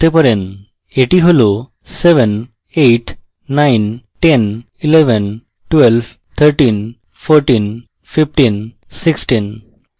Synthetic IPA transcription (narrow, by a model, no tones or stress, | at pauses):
t̪epəɾen | eʈiɦolo | seʋən | eʈː | ainʈẽn | ileʋən | ʈʋelb | t̪ʰəɾʈin | foɾʈin | fifʈin | siksʈin